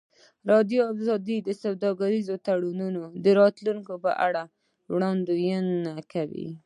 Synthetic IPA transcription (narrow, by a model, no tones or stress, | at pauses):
ɾɑd̪joazɑd̪id̪əsawd̪ɑɡaɾizot̪aɽununod̪əɾɑt̪luŋkopə̰ʔa̰ɽa | wɽɑnd̪ojənːakawḭ